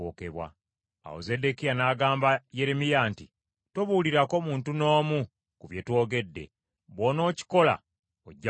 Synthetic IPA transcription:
oːkeβwa̰ | a̰o̰ze̞de̞kijanaːɡaːmbaje̞ɾemijanti | toβuːliɾako̞muːntuno̞ːmu | kuβje̞two̞ːɡe̞dːe̞̰ | βwoːno̞ːci̥ko̞la̰ | oɟːa

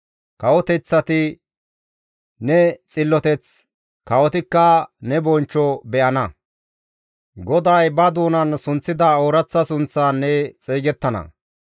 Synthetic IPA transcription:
kɐwɔt̪ɛt͡sːɐt̪ɪ | nɛt͡sʼɪlːɔt̪ɛt͡s | kɐwɔt̪ɪkːɐnɛbɔnt͡ʃːɔbɛʔɐnɐ | ɡɔd̪ɐjbɐd̪uːnɐnsʊnt͡sːɪd̪ɐoːɾɐt͡sːɐsʊnt͡sːaːnːɛt͡sʼeːɡɛt̪ːɐnɐ̰

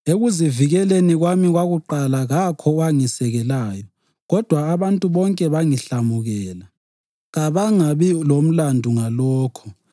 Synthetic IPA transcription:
eɣuziviɣɛleniɣwamiɣwaɣuǃalaɣakʰɔaŋisɛɣɛlaːjɔ | ɣɔd̥ʱwaːβantʼuβɔŋkʼɛβaŋiɬamuɣɛːla | ɣaβaŋaβilom̩landʱuŋalɔːkʰɔ

